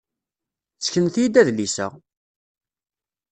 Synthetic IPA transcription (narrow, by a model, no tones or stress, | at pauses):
t͡sːə̥çənθjid̪æðlisə̰ʁ